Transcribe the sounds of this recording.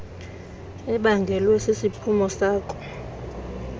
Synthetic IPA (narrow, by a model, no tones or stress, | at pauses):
ɛɓaŋɡʱɛlwɛsesipʰumɔsaːkʼɔ̥